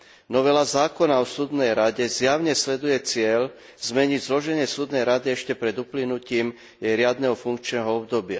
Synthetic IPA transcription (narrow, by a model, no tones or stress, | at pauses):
nɔʋɛlazaːkɔnaɔsuːd̪nɛjɾaɟɛzjaʊɲɛslɛd̪ujɛt͡sɪɛʎ | zmɛɲiɟzlɔʒɛɲɪɛsuːd̪nɛjɾad̪iɛʃcɛpɾɛd̪uplinuciːm | jɛjɾɪad̪nɛɦɔfuŋkt͡ʃnɛɦɔɔbd̪ɔbɪa̰